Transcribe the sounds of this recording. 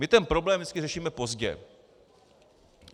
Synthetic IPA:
mɪt̪ɛnpɾo̞blɛːmjɛt͡skɪrɛʃiːmɛpo̞zɟɛ̰

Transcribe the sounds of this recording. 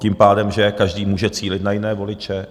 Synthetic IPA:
cɪmpaːdɛmʒɛkaʒdiːmuːʒɛt͡siːlɪt̪najɪnɛːvo̞lɪt͡ʃɛ

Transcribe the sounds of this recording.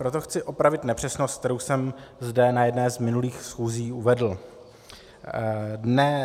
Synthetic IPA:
pɾo̞t̪oxt͡sɪʔo̞pɾavɪt̪nɛpr̝̥ɛsnost̪t̪ɛɾowsɛmzdɛnajɛdnɛːzmɪnuliːxsxuːziːuvɛdl̩ | dnɛ

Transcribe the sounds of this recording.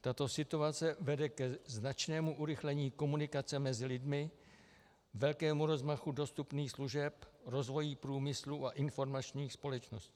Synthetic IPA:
t̪at̪o̞sɪt̪uat͡sɛvɛdɛkɛznat͡ʃnɛːmuʔuɾɪxlɛɲiːko̞munɪkat͡sɛmɛzɪlɪdmɪ | vɛlkɛːmuɾo̞zmaxudo̞st̪upniːxsluʒɛpɾo̞zvo̞jiːpɾuːmɪsluʔaʔɪnfo̞ɾmat͡ʃɲiːxspo̞lɛt͡ʃno̞sciː

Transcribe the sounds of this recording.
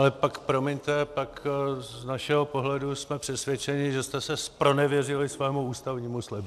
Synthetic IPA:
lɛpakpɾo̞mɪɲt̪ɛpakznaʃɛɦo̞po̞ɦlɛdusmɛpr̝̥ɛsvjɛt͡ʃɛɲɪʒɛst̪ɛsɛspɾo̞nɛvjɛrɪlɪsvɛːmuuːst̪avɲiːmuslɛb

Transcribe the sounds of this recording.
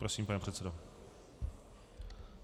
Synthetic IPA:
pɾosiːmpanɛpr̝̥ɛt̪sɛdo

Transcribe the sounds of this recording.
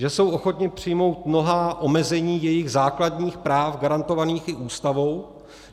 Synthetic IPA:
ʒɛso̞wʔo̞xo̞t̪ɲɪpr̝̥ɪjmo̞wt̪̚mno̞ɦaːʔo̞mɛzɛɲiːjɛjɪɣzaːkladɲiːxpɾaːfɡaɾant̪o̞vaniːxɪʔuːst̪avow

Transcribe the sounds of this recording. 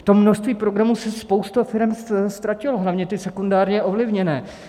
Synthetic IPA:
ft̪o̞mːnoʃst̪viːpɾo̞ɡɾamusɛspo̞wst̪ofɪɾɛmsst̪ɾacɪloɦlavɲɛt̪ɪsɛkundaːɾɲɛʔo̞vlɪvɲɛnɛː

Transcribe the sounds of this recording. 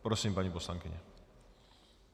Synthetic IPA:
pɾɔsʲimpaɲipɔswaŋkʲiɲɛ̰

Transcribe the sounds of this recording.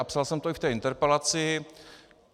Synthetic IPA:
apsalsɛmt̪oɪft̪ɛːʔɪnt̪ɛɾpɛlat͡sɪ

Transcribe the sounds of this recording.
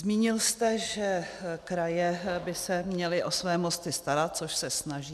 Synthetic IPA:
zmiːɲɪlst̪ɛʒɛkɾajɛbɪsɛmɲɛlɪʔo̞svɛːmo̞st̪ɪst̪aɾat̪̚t͡soʃsɛsnaʒiː

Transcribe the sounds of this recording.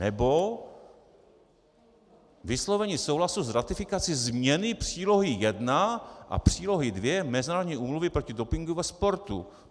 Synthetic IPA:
nɛbo̞ | vɪslo̞vɛɲiːsowlasuzɾat̪ɪfɪkat͡sɪzmɲɛnɪpr̥iːlo̞ɦijɛdnaʔa̰pr̝̥iːlo̞ɦɪdvjɛmɛzɪnaːɾod̪ɲiːʔuːmluvɪpɾo̞cɪdo̞pɪŋɡuvɛspo̞ɾt̪ṵ

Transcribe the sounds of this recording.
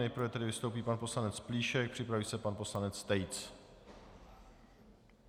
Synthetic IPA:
ɛjpɾ̩vɛt̪ɛdɪvɪst̪owp̬iːpanpo̞slanɛt͡spliːʃɛk̚pr̥ɪpɾaviːsɛpanpo̞slanɛt͡st̪ɛjt͡s

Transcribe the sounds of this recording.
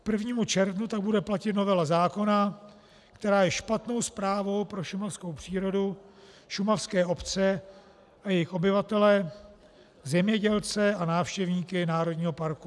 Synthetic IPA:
k̚pr̩vɲiːmut͡ʃɛɾvnut̪aɡ̚budɛplacɪt̪no̞vɛlazaːko̞na | kt̪ɛɾaːjɛʃpat̪no̞wspɾaːvo̞wpɾo̞ʃumafskowpr̝̥iːɾo̞du | ʃumafskɛːo̞pt͡sɛ | ʔajɛjɪxʔo̞bɪvat̪ɛlɛ | zɛmɲɛɟɛlt͡sɛanaːfʃcɛvɲiːkɪnaːɾo̞dɲiːɦo̞paɾku

